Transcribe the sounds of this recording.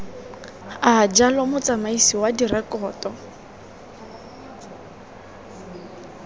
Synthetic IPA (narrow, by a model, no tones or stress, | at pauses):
ad͡ʒalɔmʊt͡samaisiwadirɛkɔːtɔ